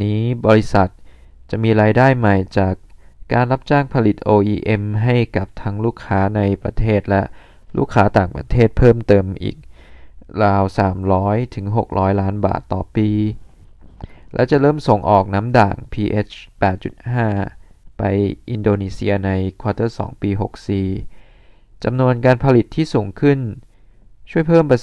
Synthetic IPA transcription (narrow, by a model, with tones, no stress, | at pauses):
niː˦˥bɔː˧ɾi˦˥sa˨˩t̪̚ | t͡ɕa˨˩ʔmiː˧ɾaː˧jdaː˥˩jma˨˩jt͡ɕaː˨˩kːa̰ː˧nla˦˥p̚t͡ɕaː˥˩ŋpʰa˧li˨˩t̪̚ʔoː˧ʔiː˧ʔe˧mɦa˥˩jka˨˩p̚t̪ʰa˦˥ŋluː˥˩kʰːaː˦˥na˧jpɾa̰˧t̪ʰeː˥˩t̪̚lɛ˦˥ʔ | lṵː˥˩kʰːaː˦˥t̪aː˨˩ŋpɾa̰˧t̪ʰeː˥˩t̪̚pʰɤː˥˩mt̪ɤː˧mʔḭː˨˩k̚ɾaː˧wsaː˩˦mɾɔː˦˥jt̪ʰɯ˩˦ŋɦo˨˩k̚ɾʔɔː˦˥jlaː˦˥nba̰ː˨˩t̪ːɔː˨˩piː˧ | lʔɛ̰˦˥wt͡ɕa˨˩ɾɤː˥˩mso˨˩˦ŋʔɔː˨˩k̚na˦˥mda̰ː˨˩ŋpʰiː˧ʔe˦˥pɛː˨˩t̪̚t͡ɕu˨˩t̪̚haː˥˩pa˧jʔi˧ndoː˧niː˧si˧ɐna˧jkʰwaː˧t̪ɤ˥˩sɔ̰ː˩˦ŋpiː˧ɦo˨˩k̚siː˨˩ | t͡ɕa˧mnu˧ənkaː˧npʰa˧li˨˩t̪ʰːiː˥˩suː˩˦ŋkʰɯ˥˩n | t͡ɕʰu˥˩əjpʰɤː˥˩mpɾa˧